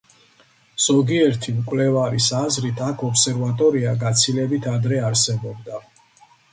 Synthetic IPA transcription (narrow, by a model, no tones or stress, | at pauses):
z̥ɔɡiɛɾt̪ʰimkʼwlɛvaɾisazɾit̪ʰakʰɔpsɛɾvat̪ʼɔɾiaɡat̪sʰilɛbit̪ʰad̪ɾɛaɾsɛbɔb̚d̪a